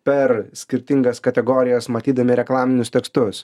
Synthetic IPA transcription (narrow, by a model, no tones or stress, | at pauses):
pʲɛɾsʲkʲɪɾʲt̪ʲɪŋɡɐskɐt̪ʲɛɡɔːɾʲɪjosmɐt̪ʲiːd̪ɐmʲɪɾʲɛklˠɑːmʲɪnʲʊst̪ʲɛkst̪ʊs